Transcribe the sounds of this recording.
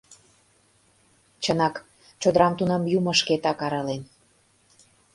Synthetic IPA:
t͡ɕənɑk | t͡ɕod̪əɾɑmt̪unɤ̆mjumɤ̆ʃket̪ɑkɑɾɤ̆len

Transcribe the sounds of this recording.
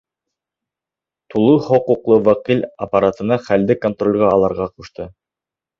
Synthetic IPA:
t̪ulˠɤhŏquqlˠɤwɑqilʲɐpaɾat̪ɤ̆nɑχæld̪ɘkont̪rolʲʁɑːlˠɑɾʁɑquʃt̪ɤ

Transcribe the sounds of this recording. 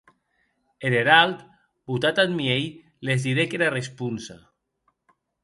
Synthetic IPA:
eɾeɾalt̪ | but̪at̪at̪miej | lezd̪iɾekeɾarespunsa̰

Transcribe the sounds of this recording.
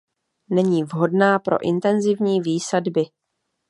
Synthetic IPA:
nɛɲiːvɦo̞dnaːpɾo̞̰ʔɪ̰nt̪ɛnzɪvɲiːviːsadbɪ

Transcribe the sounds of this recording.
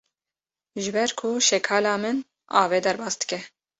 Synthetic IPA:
ʒɨbɛɾkʰʊʃɛkʰɑːlɑːmɨn | ɑ̰ːveːd̪ɛɾbɑːsd̪ɨ̥kɛ

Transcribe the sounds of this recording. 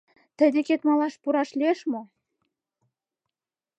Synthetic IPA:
t̪ə̆d̪ʲeket̪mɑlɑʃpuɾɑʃlieʃmo

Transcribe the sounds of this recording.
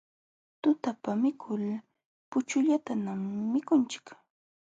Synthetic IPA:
t̪ʊt̪apamɪkʰʊl | pʊt͡ʃʊʎat̪anamːɪkʊnt͡ʃɪ̥k

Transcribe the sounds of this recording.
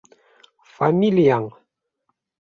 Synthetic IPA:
familiaŋ

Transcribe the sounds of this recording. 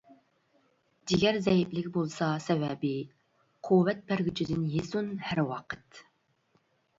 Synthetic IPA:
d͡ʒɪɡʲɛɾzɛjɪplɪkʲbolˠsɑsɛvɛbɪ | qʰuwɛt̪̚pæɾɡʲyt͡ʃʰid̪ɪnjezunhæɾwɑqʰə̥t̪

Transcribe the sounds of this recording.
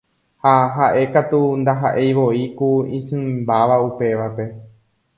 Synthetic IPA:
haɦaʔe̞kat̪und̪aɦaʔe̞jʋo̞ikuĩsɨ̃mmbaʋaupe̞ʋape̞

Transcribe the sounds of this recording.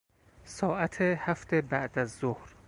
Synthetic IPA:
sɒːʔæt̪ʰehæft̪ebæʔd̪æzːohɾ

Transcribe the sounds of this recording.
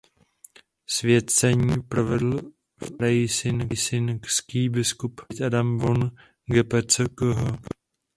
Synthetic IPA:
svjɛt̪t͡sɛɲiːpɾovɛdl̩ | fɾajɪsɪnsɪnkskiːbɪskupt̪ʔadamvon | ɡɛpɛt͡sɛkoɦo

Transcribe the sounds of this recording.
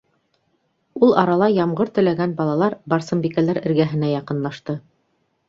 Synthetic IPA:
ulˠɑɾɑlˠɑjɑmʁɤɾt̪ɵ̆læɡænbɑlˠɑlˠɑɾbɑɾsɤ̆mbikælæɾɘ̆ɾɡæɦɘ̆næjɑqɤ̆nlˠɑʃt̪ɤ

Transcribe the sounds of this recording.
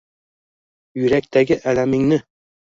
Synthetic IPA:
jɵ̆ɾæk̚t̪æɡɘʔælæmɘ̆ŋnɘ

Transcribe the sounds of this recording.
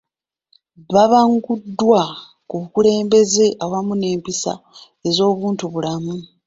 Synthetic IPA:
βaβaŋɡudːwa | kuβukule̞ːmbe̞ze̞ʔawamune̞ːmpisa̰ | e̞zo̞ːβuːntuβulamu

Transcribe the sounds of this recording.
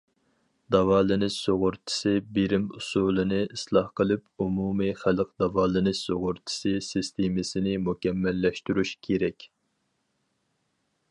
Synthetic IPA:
d̪̥ɑvɑːlɨnɪʃsoʁʊɾt͡ʃ̪ʰɪ̥sɪbiɾɪmusulˠɨnɪislˠɑhqəlˠɨpumumɨχælɨq̚d̪̥ɑvɑːlˠɨnɪʃsoʁʊɾt͡ʃ̪ʰɪ̥sɨsɨst̪ʰemɪsɪnɪmukʲɛmːɛlːɛʃt̪yɾyʃkʲʰeɾɛkʲ

